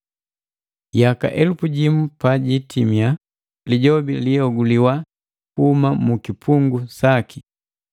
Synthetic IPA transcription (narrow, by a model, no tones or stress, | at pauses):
jaka̰ʔɛlufuɟimupaɟitimja | liɟɔbiliɔɡuliwa | kuhumamukipʰuŋɡusaki